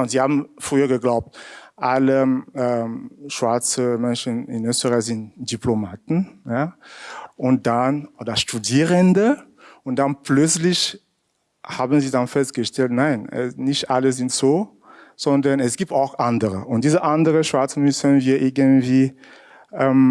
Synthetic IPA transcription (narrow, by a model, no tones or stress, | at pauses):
ʊnz̥iːhaːbm̩fʁ̥yːɐɡəɡlaʊp̚tʔaləɛmʃv̥aɐt͡səmɛnʃənɪ̰nøːstəʁazɪntd̥iplomaːtn̩ja | ʔʊnt̚d̥anodɐʃtudiːʁəndə | ʊnd̥anplœt͡slɪç | haːbən̩ziːdanfɛst̚ɡ̥əʃtɛltnaɪnɛ̰nɪçtʔaləzɪntz̥oː | z̥ɔndɐnɛsɡ̥iːp̚taʊxʔandəʁəʔʊnt̚d̥iːzəʔandəʁəʃv̥aɐt͡səmʏsənviːɐʔɪɐɡəntv̥iː | ʔɛm